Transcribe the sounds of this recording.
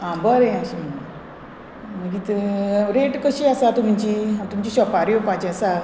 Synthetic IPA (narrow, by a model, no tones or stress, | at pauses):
ãbəɾẽaɕi | məɡit̪ɾeʈkəɕiasat̪um̤it͡ɕiãt̪umt͡ɕiɕɔpaɾjopãt͡ɕeasa